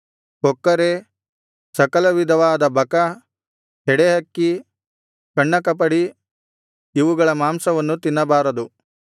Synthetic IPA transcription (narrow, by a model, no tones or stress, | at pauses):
kɔkːɐɾe | sɐkɐlɐʋid̪ʱɐʋaːd̪ɐbʱɐkɐ | ɦɛɽeɦɐkːi | kɐɳːɐkɐp̬ɐɽi | iʋuɡɐɭɐmaːmsɐʋɐnːut̪inːɐbaːɾɐd̪u